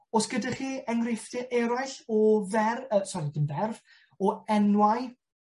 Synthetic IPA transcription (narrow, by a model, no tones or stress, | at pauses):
ɔsɡ̥ədaχiːɛŋɡrɪftɨʔɛɾajɬɔvɛrəsɔɾidənvɛrv | ɔɛnwaj